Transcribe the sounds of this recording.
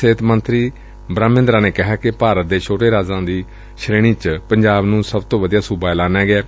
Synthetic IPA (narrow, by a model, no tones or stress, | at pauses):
seːt̪mənt̪ɾiː | bɾaːmɪ̃nd̪ɾaːneːkɪɦaːkɪpaːɾət̪̚d̪eːt͡ʃʰoːʈeːɾaːzãːd̪iː | ʃɾeːɽ̃iːt͡ʃpəɲd͡ʒaːbnũːsəbt̪õːʋəd̪ijaːsubaːɛlaːnɛːɡɪeː